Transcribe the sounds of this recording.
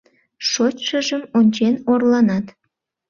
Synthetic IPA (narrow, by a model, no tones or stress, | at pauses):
ʃot͡ɕʲʃəʒəmonʲt͡ɕenorlˠɑnɑt̪